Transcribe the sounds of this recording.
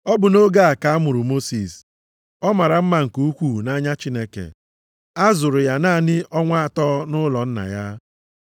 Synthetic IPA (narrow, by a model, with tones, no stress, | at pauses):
ɔ˦bʊ˨no˦ɡa˦a˨ka˨a˦mʊ˨ɾʊ˨mo˦si˨s | ɔ˦ma˨ɾa˨m̩˦ma˦˨ŋ̩˨ku˦kʷu˦˨na˦ɲa˦t͡ʃi˦ne˦kḛ˨ | a˦zʊ˨ɾʊ˨ja˦naː˦˨nɪ˦ʔɔ˦ŋʷa˦a˨tɔ˦nʊ˦lɔ˨n̩˦na̰˨ja˦